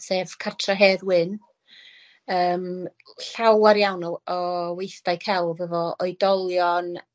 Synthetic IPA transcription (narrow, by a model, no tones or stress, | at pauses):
sev̥kʰatʰraɦeːðwɪn | əːm | ɬawaɾjawnɔɔwejθd̥ajkʰɛlˠvəvɔɔjdɔlˠjɔn